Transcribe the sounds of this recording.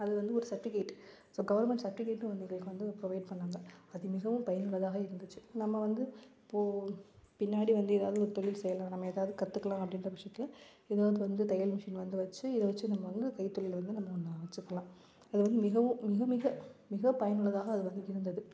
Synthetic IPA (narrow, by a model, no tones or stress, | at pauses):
ɐðɯʋɐnd̪ɯɔɾɯsɐʈːɪkɐːʈː | soːɡɐʋɐɾnmɛɳʈsɐʈːɪkeːʈːnɯʋɐnd̪nɪŋɡɐɭkːɯʋɐnd̪ɯpɾɔʋɐɪɖ̚pɐɳːaːŋɡɐɐðɯmɪɣɐʋɯ̃mpɐjɐnɯɭːɐðaːɣɐɪɾɯnd̪ɯt͡ʃːɯnɐmːɐʋɐnd̪ɯɪpːoːpɪnːaːɽiʋɐnd̪ɯeːðaːʋðɯɔɾɯt̪ɔɭɪlsɛjːɐlãːnɐmːɐeːðaːʋɯðɯkɐt̪ːɯkːɐlãːɐpːɐɽɪndrɐʋɪʂjɐt̪ːɪlɐ | ɛðaːʋðɯʋɐnd̪ɯt̪ɐjɐlmɪʂɪnʋɐnd̪ɯʋɐt͡ʃːɯɪðɐʋɐt͡ʃːɯnɐmːɐʋɐnd̪ɯkɐɪt̪ːɔɭɪlʋɐnd̪ɯnɐmːɐɔnːɐɐʋɐt͡ʃːɯkːɐlãː | ɐðɯʋɐnd̪ɯmɪɣɐʋɯ̃ːɪɣɐmɪɣɐmɪɣɐpɐjɐnɯɭːɐðaːɣɐːðɯʋɐnd̪ɯɪɾɯnd̪ɐðɯ